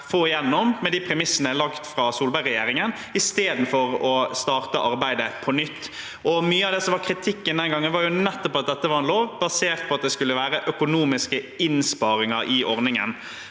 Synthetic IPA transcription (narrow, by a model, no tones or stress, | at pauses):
foːɪjɛnːɔmːɛd̪iːpʰɾɛmɪsːənəlɑkt̪fɾɑsuːlbæɪʁɛjeːɾɪŋən | ɪst̪eːd̪n̩fɔɾɔst̪ɑːʁt̪əʔɑɾbæɪd̪əpʰɔnʏt̪ː | ʔɔmyːəɑʋd̪ɛsɔmʋɑkʰɾɪt̪ʰɪkːənd̪ɛnɡɑŋːənʋɑːɾjʊnɛt̪ːɔpɑt̪̚d̪ɛt̪ːəʋɑɾɛnloːʋbɑseːʁt̪̚pʰɔɑt̪̚d̪ɛskʉlːəʋæːɾəʔœkʊnuːmɪskə | ɪnspɑːɾɪŋɑʔɪʔɔʁnɪŋə̰n